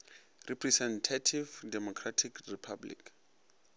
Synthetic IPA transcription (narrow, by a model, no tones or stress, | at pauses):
rɛpʰrɛsɛntʰatʰivdɛmɔkʰratʰikripʰablḭk